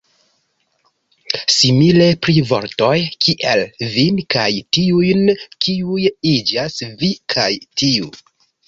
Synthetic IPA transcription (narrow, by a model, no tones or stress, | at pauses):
simile̞pɾivo̞̰ɾto̞jkʰiʔelvinkajtiujnkiujid͡ʒasvikʰajtʰiu